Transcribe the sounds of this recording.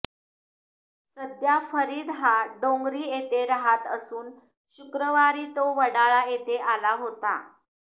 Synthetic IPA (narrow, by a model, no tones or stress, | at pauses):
səd̪jafəɾiːd̪ɦaɖõŋɡɾiːjet̪eɾəɦat̪əsuːn | ɕukɾəʋaɾiːt̪oʋəɽaɭajet̪eʔalaɦot̪a̰